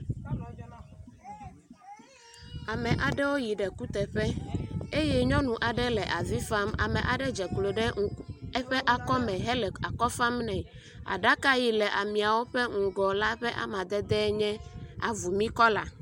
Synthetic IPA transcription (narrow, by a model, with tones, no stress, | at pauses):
a˨mɛ̃˨ʔa˨ɖɛ˦wo˦ji˨ɖɛ˨ku˦t̪ɛ˨ɸɛ˦e˦jɛ˦ɲɔ̃˦nũ˨ʔa˨ɖɛ˦lɛ˨ʔa˨vi˦fa˦ma̰˨mɛ̃˨ʔa˨ɖɛ˦d͡ʒɛ˨klo˨ɖɛ˦ɛ˦ɸɛ˦ʔa˨kɔ˦mɛ̃˨ɦɛ˦lɛ˨a˨kɔ˦fa˦mnɛ̃˨ | a̰˨ɖa˦ka˦ji˨lɛ˨ʔa˨mĩ˨a˨wo˦ɸɛ˦ŋ̩˨ɡɔ˨la˦ɸɛ˦ʔa̰˦mã˨d̪ɛ˦d̪ɛ˦ɲɛ̃˦a̰˨vu˨mĩ˦kɔ˦la˨